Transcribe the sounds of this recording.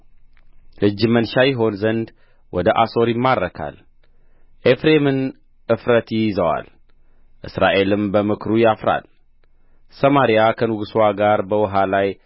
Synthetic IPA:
lɨd͡ʒːɨmənʃajɪɦo̞nzənd̪ | wɔd̪əʔa̰so̞ɾjɪmːadːəkʰa̰l | ʔefɾe̞mɨn | ʔɨfɾət̪ijzəwa̰l | ʔɨsɾaʔe̞lɨmbəmɨkʰɾujafɾa̰l | səmaɾijakʰənɨɡɨswaɡaɾbəwɨɦalaj

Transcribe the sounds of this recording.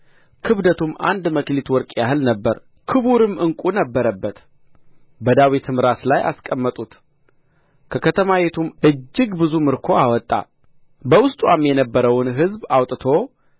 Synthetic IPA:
kʰɨβd̪ət̪ʰumʔa̰nd̪məklit̪wɔɾkʼjahɨlnəbːəɾ | kʰɨβuɾɨmɨŋkʼunəbːəɾəbːət̪ | bəd̪awit̪ʰɨmɾaslajʔa̰skʼəmːət̪ʼut̪ | kʰəkʰət̪ʰəmawet̪ʰumɨd͡ʒːɨɡbɨzumɨɾkʰo̞awɔt̪ʼːa̰ | bəwʊst̪ʼwamjɛnəbːəɾəwnɦɨzbawt̪ʼt̪ʰo̞

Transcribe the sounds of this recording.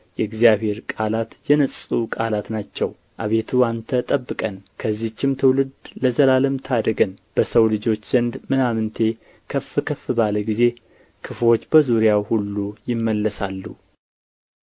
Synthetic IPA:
jɛɨɡzijaβe̞ɾkʼalat̪jɛnəsʼukʼalat̪nat͡ʃːɛw | ʔaβe̞t̪ʰuant̪ʰət̪ʼəbːɨkʼənkʰəzːiht͡ʃːɪmt̪ʰɨwlɨd̪ləzəlaləmt̪ʰad̪əɡənb̥əsəwlɨd͡ʒo̞t͡ʃːz̥ənd̪mɨnamɨnt̪ʰe̞ | kʰəfɨkʰəfɨbaləɡize̞ | kʰɨfo̞t͡ʃːbəzuɾijawhulːujɪmːəlːəsalːu

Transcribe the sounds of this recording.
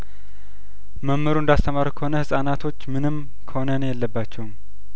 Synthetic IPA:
məmːɨɾuɨnd̪ast̪ʰəmaɾkʰəho̞nəhɨsʼanat̪ʰo̞t͡ʃːmɨnɨm | kʰəho̞nənjɛlːəbːat͡ʃːɛwm

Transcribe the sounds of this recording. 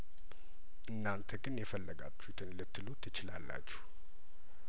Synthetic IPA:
ʔɨnːant̪ʰəɡɨnjɛfəlːəɡa̰t͡ʃːut̪ʰɨnlɨt̪ːɨlut̪ʰːɨt͡ʃɪlalːa̰t͡ʃːɛ̥h

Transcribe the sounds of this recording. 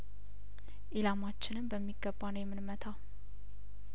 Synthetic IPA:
ʔelamat͡ʃːɪnɨmbəmːiɡːəbːanəwjɛmːɨnmət̪ʰa

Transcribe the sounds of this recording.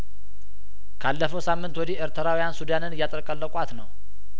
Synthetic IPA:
kʰalːəfəwsamːɨnt̪wɔd̪ieɾt̪ʰɨɾawijansud̪anɨnɨjːat̪ʼəɾkʼəlːəkʼʷat̪nəw

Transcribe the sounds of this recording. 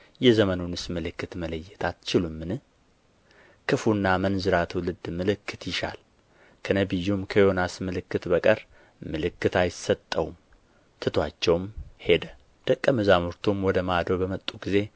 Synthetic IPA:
jɛzəmənunɨsmɨlɨkːɨt̪mələjːɛt̪ʰat̪t͡ʃɪlumːɨnɨ | dkʰɨfunːamənzɨɾat̪ʰwulɨd̪mɨlɨkʰːɨt̪ʰjɪʃa̰l | kʰənəbɨjːumkʰəjo̞nasmɨlɨkːɨt̪bəkʼəɾ | mɨlɨkːɨt̪ʰajɪsət̪ʼːə̰wum | t̪ʰɨt̪ʰwat͡ʃːɛwmhe̞d̪ə | d̪̥əkʼːəmɨzamuɾt̪ʰumwɔd̪əmad̪əwbəmət̪ʼːuɡize̞

